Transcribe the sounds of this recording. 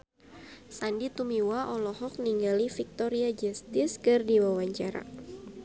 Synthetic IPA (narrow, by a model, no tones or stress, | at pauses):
sandit̪umiwaʔɔlɔɦɔk̚niŋɡalifik̚t̪ɔɾiad͡ʒɛst̪ɪskɨrdiwawaɲt͡ʃaɾa̰